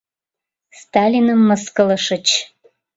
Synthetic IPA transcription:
st̪ɑlʲinəmːəskə̆ləʃət͡ɕ

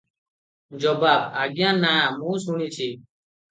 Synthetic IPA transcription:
d͡ʒoːbaːbaːɡjãːnãːmũːsʊɳiːt͡ʃʰiː

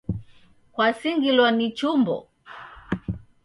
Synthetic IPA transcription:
kwasiŋɡilwanit͡ʃumbɔ̰

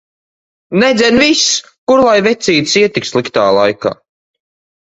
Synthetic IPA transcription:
nɛd̪zʲɛnvis | kuɾlˠajvɛt̪sʲiːt̪siɛt̪ikslˠikt̪aːlˠa̰jka̰ː

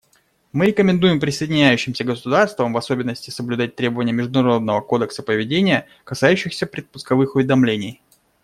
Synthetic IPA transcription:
mɨɾʲɪkəmʲɪnd̪ujɪmpɾʲɪsəjdʲɪnʲæjʉɕːɪmsʲəɡəsʊd̪arst̪vəmvɐso̞bʲɪnːəsʲtʲɪsəblʲʉd̪at̚ʲt̪ɾʲe̞bəvənʲɪjəmʲɪʐd̪ʊnɐɾo̞d̪nəvəko̞d̪əksəpəvʲɪdʲenʲɪjə | kɐsajʉɕːɪxsʲəpɾʲɪd̪̚pʊskɐvɨxʊvʲɪd̪ɐmlʲenʲɪj

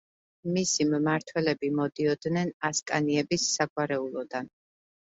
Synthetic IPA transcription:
misimmaɾt̪ʰwɛlɛbimɔd̪iɔd̪nɛnaskʼaniɛbisːaɡwaɾɛulˠɔd̪̥an

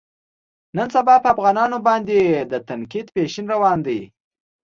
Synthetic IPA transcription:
nənsabɑpəafɣɑnɑnobɑnd̪ed̪ət̪ankid̪peʃinɾawɑnd̪əj

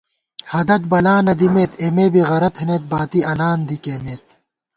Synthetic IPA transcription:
hɐd̪ɐt̪bɐlaːnɐd̪imeːt̪ʰeːmeːbiɣɐɾɐt̪hɐneːt̪̚baːt̪iɐlaːnd̪ikeːmeːt̪

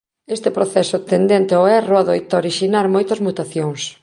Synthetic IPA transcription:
est̪ɪpɾoθɛsʊt̪end̪ent̪eoɛrowaðojt̪aoɾiʃinaɾmojt̪ɐzmut̪aθjoŋs

